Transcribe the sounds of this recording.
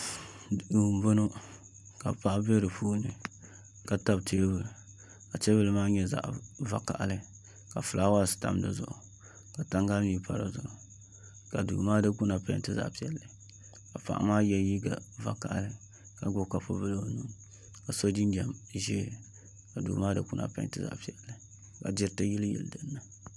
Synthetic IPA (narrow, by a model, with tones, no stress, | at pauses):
u˨m˨bo˦no˦ | ka̰˨pa˦ʔbe˦ɾɨ˨puː˦nɨ˨ | ka˨ta˦btʰe˦bɨ˨lɨ˨ | ka˨te˦bɨ˦lɨ˦maː˦ɲɛ˦za̰˨ʔva˦ka˨ʔa˨lɨ˦ | ka˨fɨ˨la˦wa˦˨sta̰˨m˦dɨ̰˨zʊ̰˨ʔʊ˨ | ka˨ta˦ŋɡa˦lni˨pa˨ɾa̰˨zʊ˨ʔʊ˨ | ka˨dṵː˨maː˦dɨ˦ku˦na˨pa˦tɨ˦za̰˨ʔpi˨˦ɛ˨lːɨ˨ | ka˨pa̰˨ʔmaː˦jɛ˦ji˦ɡa̰˨va˦ka˨ʔlɨ˦ | ka˨ɡʊ˦ka˨po˦bɨ˦lo˨nu˦ | ka˨so˦di˦ndɛ˨mʒi˦˨ | ka˨dṵː˨maː˦dɨ˦ku˦nʔa̰˨pa̰˦ntɨ˦za̰˨ʔpi˦˨ɛ˨lːɨ˨ | ka̰˨d͡ʒɪ˦ɾtɨ˦ji˦lɨ˦jɛ̰˨ldɨ˦nːɨ˦